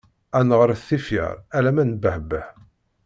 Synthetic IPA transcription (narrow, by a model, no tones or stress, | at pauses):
ænʁəɾˤθːifḭʁælæmænbəhbəh